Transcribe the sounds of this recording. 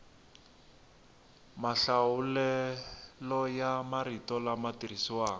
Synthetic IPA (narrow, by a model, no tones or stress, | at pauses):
maɬaulɛ | lɔjamaritɔlamatirisiwaːŋ